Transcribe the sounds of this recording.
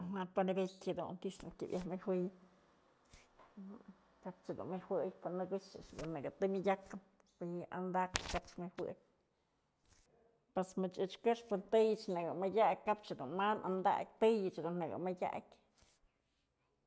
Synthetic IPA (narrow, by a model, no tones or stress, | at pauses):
ɦat̪panibekʲhed̪ṵnt̪iʂd̪ṵnkʲḭbjʔahmɨhwɨj | kap̚t͡ʃad̪ṵnmɨhwɨjpanɨɡit͡ʃɨt͡ʃd̪unːɨɡɨt̪ɨmʲijʲakɨn | pija̰nd̪akkapt͡ʃmɨhwɨ̰ʔj | pesmɨt͡ʃɨt͡ʃkɨʂpɨnt̪ɨjɨt͡ʃnɨɡɨmɨjʲak̚ʲkap̚t͡ʃad̪ṵnmanʔand̪a̰k̚ʲt̪ɨjɨt͡ʃd̪unːɨɡɨ̰mɨjʲa̰ʔkʲ